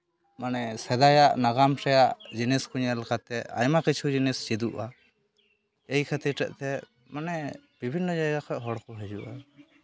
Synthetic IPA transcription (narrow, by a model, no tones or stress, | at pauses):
manɛsɛd̪ajaʔnaɡamsɛjaʔd͡ʒinɛskuɲɛlkat̪ɛa̰jmakit͡ʃʰud͡ʒinɛst͡ʃid̪uʔa | ejkʰat̪iʈɛʔt̪ɛ | manɛb̥ibʱinːɔd͡ʒajɡakʰɔɦɔɽkɔɦɛd͡ʒuʔa